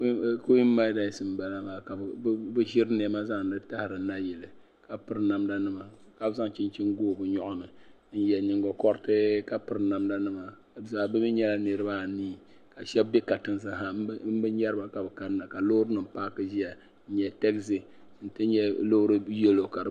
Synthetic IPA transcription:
ko˦i˦m̩˦ma˦da˨sɨ˨m˨˦ba˨la˦maː˨ka˨˦bɨ˦ʒi˦ɾɨ˦n˦˨ɛ˦ma˦za˦ŋ˨n̩˦dɨ˦ta˦hɪ˨ɾɨ˨˦na˦jɛ˨lɨ˨ | ka˨pɨ˨ɾna˨mda˦nɨ˦ma˨ka˦bza˦ŋ˨t͡ʃɪ˦n˦t͡ʃi˦ŋɡoː˦˨bɨ˨ɲɔ˦ʔʊ˦nɨ˨ | n̩˦jɛ˨nɪ˨ŋɡo˨kɔ˦ɾɨ˦tɨ˦ka˨pɨ˨ɾɨ˦na˨mda˦nɨ˦ma˨ | za˨bɨ˦mi˦ɲɛ˦la˦nɨ˨ɾɨ˦ba˦˨niː˦ | ka˨ʃɛ˦bbɛ˦ka˨tɨ˨n˦sa˨ha˨˦m̩˦bɨ˦ɛ˦ɾba˨ka˨bɨ˨ka˦n˦na˨ka˨lo˦ʊ˦ɾɨ˦nɨ˨m˦paː˦kɨ˦ʒi˦a˨ | n̩˦ɲɛ˨tɛ˦kzi˨ | n̩˦tɨ˦ɲɛ˦lo˦hʊ˦ɾɨ˦jɛ˦lo˨ka˨ɾɨ˨

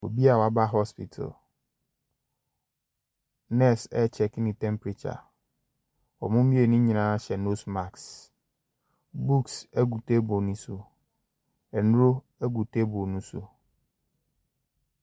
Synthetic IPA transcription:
wo̰˨bi˦a˨wa˨ba˦ɦɔ˦spḭ˨tʰa̰˨l | nɛ˦sɛ̰˦t͡ɕʰɛ˨knĩ˨tʰɛ̃˦mpɾi˨t͡ɕʰa̰˨ | ɔ̰˨mʊ̃˦mĩ˦e˨nũ˦ɲĩ˨nã˦ɕɛ˨no˦sma˨ks | bu˦ksæ˦ɡu˨tʰe˦bo˨nũ˦su˦ | ɛ˨nʊ̃˦ɾo˦ | æ˦ɡu˨tʰe˦bo˨nũ˦sṵ˦

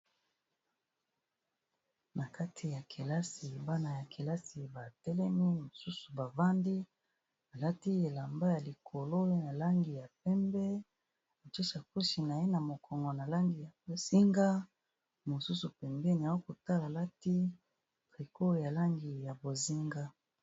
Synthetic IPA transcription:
na˨ka˦tʰi˨ja˨kʰe˨la˦si˨ba˦na˨ja˨kʰe˨la˦si˨ba˨tɛ˦lɛ˦mi˦mo˨su˦su˨ba˨va˦ndi˦ | a˨la˦ti˦e˨la˨mba˦ja˨li˨kʰo˨lo˦e˦na˨la˦ŋɡi˨ja˨p̚ɛ˦mbɛ˦ | a˨t͡ʃo˦ʃa˨ku˦ʃi˨na˨je˦na˨mo˨kɔ˨ŋɡɔ˨na˨la˦ŋɡi˨ja˨bo˨z̥i˦ŋɡa˦ | mo˨su˦su˨pɛ˨mbɛ˦ni˨a˨˦o˦ko˨ta˦la˨la˦ti˦ | pʁi˨kʰo˦ja˨la˦ŋɡi˨ja˨bo˨zi˦ŋɡa˦

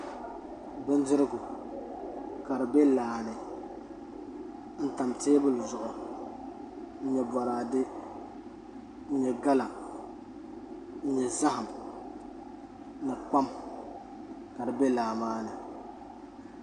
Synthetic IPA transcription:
bɨ˦n˦dɪ˦ɾɨ˦ɡʊ˨ | ka˨ɾɨ˨bɛ˦laː˨nɨ˨ | n̩˦ta˨mteː˦bʊ˦lzʊ˨ʔʊ˨ | ɲ̩˦ɲɛ˨bɔ˨ɾaː˨dɪ˦ | ɲɛ˨ɡa˦la˨ | ɲ̩˦ɲɛ˨za˦ha˨m | nɨ˨k͡pa˦m | ka˨dɨ˨bɛ˦laː˨maː˦nɨ˨

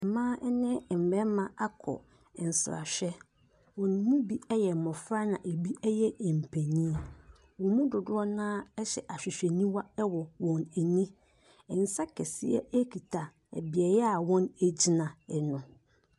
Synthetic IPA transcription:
m̩˨mãː˦ʔɛ˦nɪ̃˦˨m̩˨bɛ˦mã˨a˦kʰɔ̰˨ | n̩˨sɾa̰˨ɕᶣɛ˦ | wɔ̃˨n˨˦mũ˦bi˦ɛ˦jɛ˨m̩˨mɔ̃˨fɾa˦nã˨ʔe˨bi˦ʔɛ˦jɛ˦ɛ˨m̩˨pʰæ˨nĩ˦˨ | wɔ̃˨mũ˦dʊ˨dʊ˦ɔ˦nãː˦ɛ˦ɕɛ˨ʔa˨ɕᶣɪ˨ɕᶣɛ˨nĩ˦wa˦ɛ˦wɔ˨wɔ̃˨nɛ˨nĩ˦ | ɛ˨n̩˨sa˦kʰɛ˨sɪ˦ɛ̰˦ʔæ˦kʰi˨tʰa˨ | ɛ̰˨bɪ˨ɛ˨jɛ˦a˨wɔ̃˦næ˨d͡ʑi˨nã˨ɛ˨nʊ̃˨

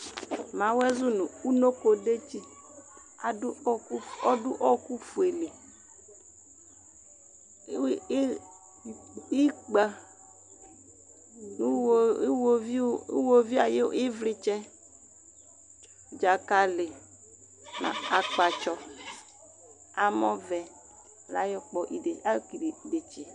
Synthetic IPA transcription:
mã˨wɛ˦zu˦nũ˨u˦no˦ko˨de˦t͡ʃi˦˨˦ | ɔ˦dʊ˦ʔɔ˦ku˦fu˨e˨le˨˦ | i˦k͡pa˨˦˨ | wo˦vi˦wo˦vi˦a˨jḛ˦e˦vlɪ˦t͡ʃɛ˦ | d͡ʒa˨ka˨lɪ˨ | nã̰˨a˨k͡pa˨t͡ʃɔ˦ | a˨mɔ̃˦vɛ˨ | la̰˨˦jɔ˦k͡pɔ˦ʔi˨a˦ki˨de˨t͡ʃe˨

